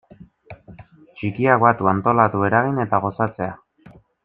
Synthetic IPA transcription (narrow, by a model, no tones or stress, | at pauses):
t͡ʃikiakβat̪uant̪o̞lat̪ue̞ɾaɣ̞ine̞t̪aɣ̞o̞sat͡se̞a